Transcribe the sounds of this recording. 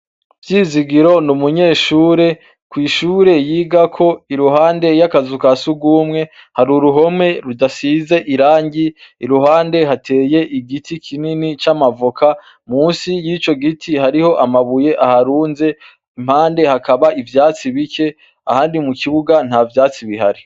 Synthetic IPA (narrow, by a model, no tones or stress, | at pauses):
vjiːziɡiɾo̞numuɲe̞ːʃuːɾe̞ | kwiːʃuːɾe̞jiːɡakʰo̞iɾuɦaːnde̞jakazukasuɡwuːmŋe̞haɾuɾuɦo̞me̞ɾudasize̞ʔiɾaːɲɟiːɾuɦaːnde̞ɦatʰe̞ːje̞ʔiɡitʰikʰininit͡ʃamavukʰa | muːnsijiːt͡ʃo̞ɡitʰihaɾiho̞ʔamaβuje̞ʔahaɾuːnze̞ | im̥haːnde̞hakaβaivjaːt͡siβike̞ | ahaːndimukiβuɡan̥havjaːt͡siβihaɾi